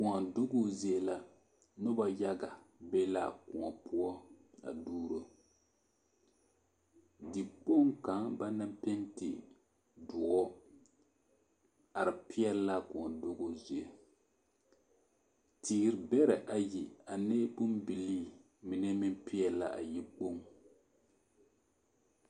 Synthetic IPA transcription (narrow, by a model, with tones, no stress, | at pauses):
ku˨a˨dʊ˦ɡo˦zi˦ɛ˦la˦ | nʊ˦ba˦ja˦ɡa˨bɛ˦la̰˨kṵ˨ŋa̰˨pʰʊ˦ɔ˦a̰˨duː˦ɾo˦ | di˨k͡po˦ŋka˨˦ŋba˦na˦mpɛ˦ntɪ̰˨ | dʊ˨ʔɔ˦ | a˨ɾɪ˨pɪ˦ɛ˦lla˦kʊ˨ŋɔ˨do˦ɡo˦zi˨e˨ | tiː˦ɡɾbɛ˦ɾɛ˨ʔa˨ji˨a˨ne˦bu˦mbi˨liː˦ | mi˨nɛ˦mi˦m˦pi˦ɛ˨la˦ʔa̰˨ji˦k͡po˦ŋ